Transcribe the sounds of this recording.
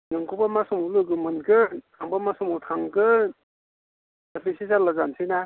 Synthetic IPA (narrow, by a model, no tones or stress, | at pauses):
nɯŋkʰupamasumulɯɡɯmɯnkɯtʰaŋbamasumutʰaŋkɯ | apʰisizalaɡansʰijna